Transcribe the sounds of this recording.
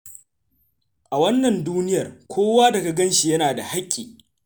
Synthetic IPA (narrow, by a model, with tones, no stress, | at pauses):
ʔa˨wɐ˦nːɐ˨nduː˦nɪ˦jɐ˨rkʷʰoː˦waː˦dɐ˨ɡa˨ɡɐ˦nʃi˨jɐ˦naː˨da˨ha˦kʲʼːiː˨